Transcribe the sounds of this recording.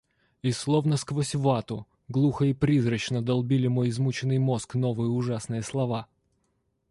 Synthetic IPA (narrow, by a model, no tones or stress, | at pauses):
ɪsːlˠovnəskvosʲvat̪ʊ | ɡlˠuxəipɾʲizɾət͡ɕnəd̪ɐlˠbʲilʲɪmo̞jɪzmut͡ɕɪnːɨjmo̞skno̞vɨjəʊʐasnɨjəslˠɐva